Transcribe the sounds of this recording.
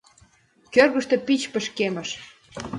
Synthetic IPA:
kørɣə̆ʃt̪ĕpit͡ɕpə̆ʃkemə̆ʃ

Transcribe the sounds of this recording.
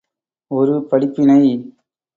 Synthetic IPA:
ɔɾɯpɐɽɪpːɪnɐɪ

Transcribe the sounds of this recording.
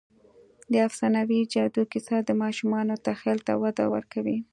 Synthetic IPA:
d̪əafsɑnawid͡ʒɑd̪ukɪsɑd̪əmɑʃumɑnot̪axelt̪a̰wad̪a̰wə̰ɾkawi

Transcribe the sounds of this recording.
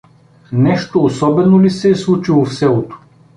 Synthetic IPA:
nɛʃt̪oːsɔbɛnolisɛːslˠut͡ʃilˠofsɛlˠot̪o̥

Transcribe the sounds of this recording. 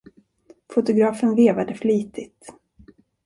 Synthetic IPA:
fʊt̪ʊɡɾɑːfənveːvad̪əfliːt̪ʰɪt̪

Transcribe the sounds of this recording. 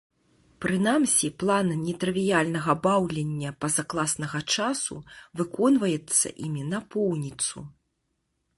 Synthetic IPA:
pɾɨnamsʲiplˠannʲɛt̪ɾɨvʲijalʲnɐɣɐbawlʲenʲːɐpɐzaklˠasnɐɣɐt͡ʂasṵvɨkɔnvɐjɛt̪sːɐ̰ʔimʲinɐpɔwnʲit̪sṵ

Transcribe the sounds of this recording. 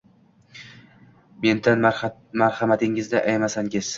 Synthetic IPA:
me̞nd̪anmaɾhamat̪ʰɪŋɪzd̪aʔajmasaŋɡʲɪz̥

